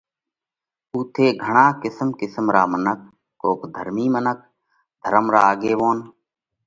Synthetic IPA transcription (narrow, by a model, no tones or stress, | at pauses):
uːt̪ʰeːɡʱəɳ̃aːkɪsəmkɪsəmɾaːmənək̚ː | oːkd̪ʱəɾmiːmənək̚ | d̪ʱəɾəmɾaːɡeːʋoːn